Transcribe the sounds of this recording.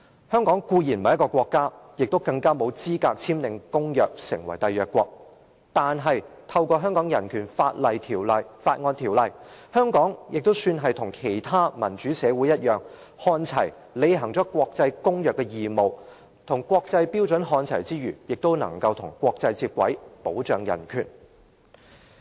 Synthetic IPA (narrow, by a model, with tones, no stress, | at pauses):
hœː˥ŋkɔː˨˥ŋkuː˧jiː˨˩nmɐ˨jkɔː˧kʷɔː˧kːaː˥jɪ˨k̚t̪o˥wkɐ˧ŋkaː˥mo˨˧wt͡siː˥kaː˧k̚t͡sʰiː˥mlɪ˧ŋkʊ˥ŋjœː˨k̚sɪ̰˨˩ŋwɐ̰˨˩jt̪ɐ˨jœː˨kːʷɔː˧k̚ | t̪aː˨nɦɐ˨jt̪ʰɐ˧wkɔː˧ɦœː˥ŋkɔː˨˥ŋjɐ˨˩nkʰyː˨˩nfaː˧t̚lɐ˨jt̪ʰiː˨˩wlɐ˨jfaː˧t̚ŋɔː˧nt̪ʰiː˨˩wlɐ˨jhœː˥ŋkɔː˨˥ŋjʔɪ˨k̚t̪o˥wsyː˧nɦɐ˨jt̪ʰʊ˨˩ŋkʰe˨˩jt̪ʰaː˥mɐ˨˩nt͡ʃyː˨˥sɛː˨˧wuː˨˥jɐ˥t̚jœː˨˩ŋ | hɔː˧nt͡sʰɐ˨˩j | le˨˧jɦɐ˨˩ŋt͡ʃɔː˨˥kʷɔː˧k̚t͡sɐ˧jkʊ˥ŋjœː˨˩kːɛ˧jiː˨mo˨w | t̪ʰʊ˨˩ŋkwɔː˧k̚t͡sɐ˧jpiː˥wt͡sɵ˨˥nɦɔː˧nt͡sʰɐ̰˨˩jt͡siː˥jyː˨˩jɪ˨k̚t̪o˥wnɐ̰˨˩ŋkɐ˧wt̪ʰʊ˨˩ŋkʷɔː˧k̚t͡sɐ˧jt͡siː˧t̚kʷwɐ̰˨˥jpo˨˥wt͡ʃœː˨˧ŋjɐ̰˨˩nkʰy̰ː˨˩n